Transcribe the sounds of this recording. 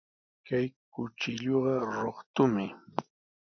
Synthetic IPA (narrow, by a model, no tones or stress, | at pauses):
kajkʊt͡ʃɪʎoɢɑɾoχt̪ʊmɪ